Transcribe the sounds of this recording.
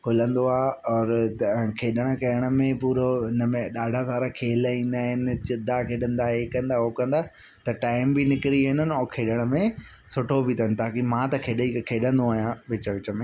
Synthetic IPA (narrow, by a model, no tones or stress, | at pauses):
kʰʊlə̃nd̪oaːɦɔːɾkʰeːɗəɽ̃ə̆kɐjəɽ̃ə̆mẽpuːɾoɦɪnəmẽɗaːɖʱasaːɾakʰeːlĩːnd̪aːɦɪnɪ̆t͡ɕɪd̪ʱːakʰeːɗə̃nd̪aɦekɐ̃nd̪aokɐ̃nd̪aː | t̪ɐʈaːɪmbinɪkɪɾiɪnənɪ̆ɔːɾkʰeːɗəɽ̃əmẽ | sʊʈʰobʱit̪ʰənɪ̆t̪aːkimãt̪ɐkʰeːɗikʰeːɗə̃nd̪oaːɦijãʋɪt͡ɕəʋɪt͡ɕəmẽː